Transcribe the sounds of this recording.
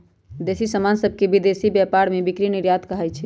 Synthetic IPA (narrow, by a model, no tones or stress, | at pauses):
d̪esisəmansəbʱkebid̪esibjɛpaɾmebikɾiniɾjat̪kəɦɛt͡ʃʰɛ